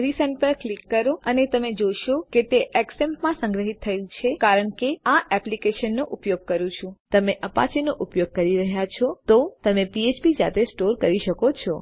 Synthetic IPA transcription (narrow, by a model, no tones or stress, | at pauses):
ɾisənpəɾklikːəɾoənet̪əmed͡ʒojʃoket̪eʔɛksempmãsə̃ŋɡɾəɦit̪ʰːəelt͡ʃʰekaɾəɳkeãʔɛplikeʃənːoʔʊpjoɡ̚kəɾũt͡ʃʰũt̪əmeʔəpa̰t͡ʃenoʔupjoɡ̚kəɾiɾəɦjat͡ʃʰɔt̪ot̪əmepiet͡ʃbid͡ʒa̰t̪esʈoɾkəɾiʃəkot͡ʃʰɔ